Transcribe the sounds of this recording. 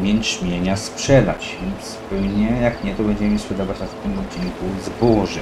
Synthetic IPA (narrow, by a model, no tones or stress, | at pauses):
mʲjɛnt͡ʂmʲjeɲaspʂɛd̪a̰t͡ɕɛspɛwɲɛjakɲɛt̪ɔbɛɲd͡ʑɛmɘspʂɛd̪ɔvat͡ɕ̪aft̪ɪmɔd̪̚d͡ʑiŋkuzbɔʐɛ